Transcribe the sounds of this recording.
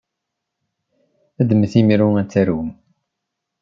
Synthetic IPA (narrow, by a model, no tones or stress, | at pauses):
æd̪əməθimiɾuæt͡sːæɾum